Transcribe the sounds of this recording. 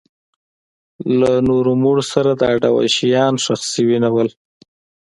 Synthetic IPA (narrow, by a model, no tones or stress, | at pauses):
lanoɾomuɽosaɾad̪əaɖawa̰ʃijɑnʃaxsiwinawəl